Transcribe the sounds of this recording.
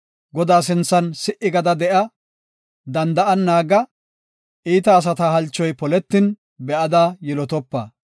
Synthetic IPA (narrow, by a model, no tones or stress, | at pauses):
ɡɔd̪aːs̬ɪnt͡sːɐnsɪʔɪɡɐd̪ɐd̪ɛʔɐ | d̪ɐnd̪ɐʔɐnːaːɡɐ | ʔiːt̪ɐːs̬ɐt̪aɦɐlt͡ʃːɔjpɔlɛt̪ːɪn | bɛʔɐd̪aːjɛlɔt̪ɔpːɐ̰